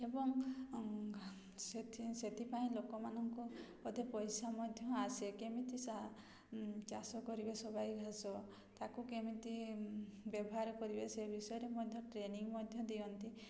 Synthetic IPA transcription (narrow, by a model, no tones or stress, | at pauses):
ebɔŋ | set̪set̪ipaĩlokɔmanɔŋku | ɔd̪ʱepɔjsamɔd̪ʱjɔasekemit̪isa | t͡ʃasɔkɔɾibesɔbajɡʱasɔ | t̪akukemit̪i | bjɔbɔɦaɾɔkɔɾibesebʱisɔjɔɾemɔd̪ʱjɔʈɾeniŋmɔd̪ʱjɔd̪iɔnt̪i